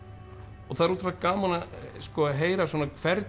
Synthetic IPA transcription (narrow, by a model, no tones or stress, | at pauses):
ɔθaðɛɾunt̪faɾakaːmanaskɔɦeːjɾaswɔːnakʰvɛɾt̪